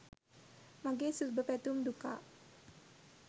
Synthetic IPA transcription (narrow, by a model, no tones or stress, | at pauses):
maɡesusbəpɛt̪umd̪uka̰